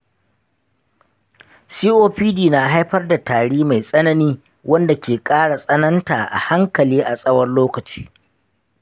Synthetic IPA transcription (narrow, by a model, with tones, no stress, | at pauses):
siː˦ʔoː˦ɸiː˦diː˨na˨ɦa˦jɸɐ˦rda˨taː˨ɽiː˦ma˨jsʼɐ˦nɐ˦niː˦ | wɐ˦nda˨kʲeː˨kʼaː˦ɽa˨sʼɐ˦nɐ˦nta̰ː˨ʔa̰˨ha˦ŋkɐ˨liː˦ʔa˨sʼɐ˦wɐ˦rloː˦kɐ˨t͡ʃi̥ː˦